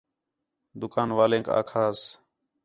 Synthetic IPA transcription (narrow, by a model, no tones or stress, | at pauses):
d̪ʊkaːnʋaːlẽːka̰ːkʰaːs